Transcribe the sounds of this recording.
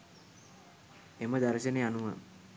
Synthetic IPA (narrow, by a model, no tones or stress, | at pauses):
eməd̪aɾəɕəneanuʋə